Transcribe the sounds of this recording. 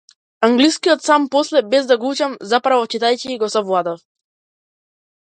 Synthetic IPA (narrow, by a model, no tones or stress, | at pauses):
aŋɡliskijɔt̪sampɔslɛbɛzd̪aɡɔut͡ʃamzapɾavɔt͡ʃit̪ajciːɡɔsɔvlˠad̪ɔf